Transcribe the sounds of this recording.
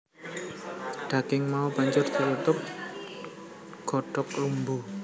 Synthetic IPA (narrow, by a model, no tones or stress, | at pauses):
ɖ̥a̤kɪŋmaubaɲd͡ʒʊrt̪əjut̪ʊp̚ | ɡ̥ɔ̤ɖ̥ɔk̚lumbu